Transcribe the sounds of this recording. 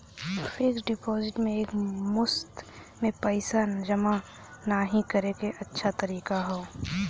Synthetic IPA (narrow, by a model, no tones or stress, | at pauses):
fʰɪksɖɪpɔːzɪʈmẽeːkmʊst̪ | mẽpəɪsad͡ʒɐma | naːɦĩkəɾekeʔɐtːʃʰat̪ɐɾiːkaɦoː